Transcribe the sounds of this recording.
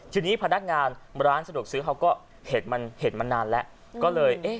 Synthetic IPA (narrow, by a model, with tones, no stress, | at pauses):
t͡ɕʰɯː˧niː˦˥pʰa˧na˦˥k̚ŋaː˧nɾaː˦˥nsa˧du˨˩ək̚sɯː˦˥ɦa˧wkɔː˥˩ | heː˨˩t̪̚ma˧nheː˨˩t̪̚ma˧nːaː˧nlɛ˦˥ʔ | kkɔː˥˩lɤː˧jʔeː˥˩